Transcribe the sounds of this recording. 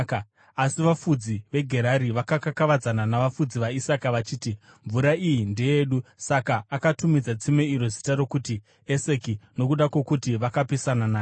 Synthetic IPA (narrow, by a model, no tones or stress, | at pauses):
asiʋafud͡ziʋe̞ɡʱe̞ɾaɾiʋakakakaʋad͡zananaʋafud͡ziʋaisakaʋat͡ʃiːti | ɱvuɾaijinde̞je̞ːɗusakaːkatumid͡zat͡simeiɾo̞zitaɾo̞kuti | ese̞kino̞kuɗakwe̞kutiʋakapisanana